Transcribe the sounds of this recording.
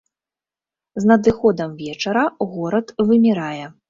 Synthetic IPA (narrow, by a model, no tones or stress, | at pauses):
znɐd̪ɨxɔd̪ɐmvʲɛt͡ʂɐɾɐɣɔɾɐt̪vɨmʲɛɾajɛ